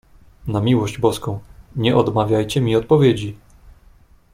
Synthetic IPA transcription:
namʲiwɔʑd͡ʑbɔskɔ̃w̃ɲɛʔɔd̪mavʲjajt͡ɕɛmʲiɔt̪̚pɔvʲjed͡ʑi

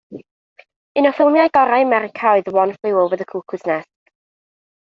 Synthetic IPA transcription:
ɪnɔfɪlˠmjajɡ̥ɔɾajmɛɾɪkʰaɨðwɔnflˠɪwʊlˠvəðəkʰuːkʰʊznɛsk

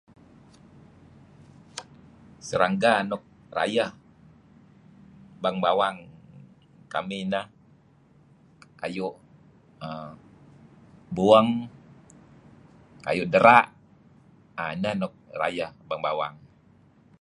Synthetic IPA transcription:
səɾaŋɡaːnɔk̚ra̰jah | baŋbawaŋ | ka̰minah | kajuʔ | ə | buəŋ | ka̰juʔdəɾaʔ | ananɔk̚ra̰jahbaŋbawa̰ŋ

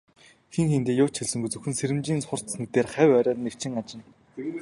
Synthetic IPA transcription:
xeŋxent̪eːjʊːt͡ɕxeɮsɘ̆ŋɡujt͡sɵxɘ̆nseɾɘ̆mt͡ɕiːnt͡sχʊ̆r̥t̪snɘ̆t̪eːrχæwʲæɾʲaːrnekt͡ɕʰɪ̆ŋat͡ɕɪ̆n

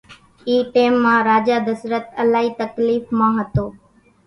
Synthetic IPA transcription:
iːʈeːmːãːɾaːd͡ʒaːd̪əsɾət̪əlaːɦiːt̪əkliːfmãːɦət̪oː

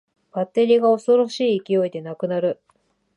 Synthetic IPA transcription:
b̥at̪ːe̞ɾʲiːɡao̞so̞ɾo̞ɕiːkʲio̞id̪e̞nakɯ̟naɾɯ̟

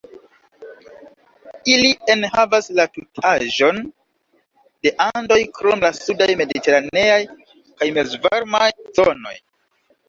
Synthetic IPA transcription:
ilie̞nhavaslatutʰaʒo̞n | d̥e̞ʔando̞jkɾo̞mlasudajme̞dite̞ɾane̞aj | kajmezvaɾmajzono̞̰j

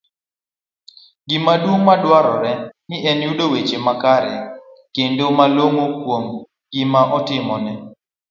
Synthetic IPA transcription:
ɡɪmadumadwaɾɔɾɛnɪɛnjudowet͡ʃemakaɾɛ | kendomaloŋokwom | ɡ̥ɪmaʔɔtɪmɔnɛ

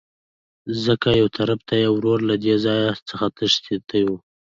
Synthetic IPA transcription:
zəkajawt̪ʰaɾabt̪ajawɾoɾlad̪ezɑjat͡səxat̪əʃt̪et̪ʰaju

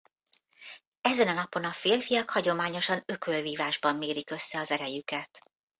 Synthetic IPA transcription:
ɛzɛnɒnɒpo̞nɒfeːlfijɒkhɒɟo̞maːɲo̞ʃɒnø̞kølviːvaːʒbɒmːeːɾikø̞sːɛɒzɛɾɛjykɛt̪

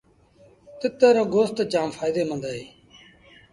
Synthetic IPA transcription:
t̪ɪt̪ːəːɾoːɡoːst̪ːt͡ʃaːmfʰaːɪd̪eːmənd̪aːɦeː

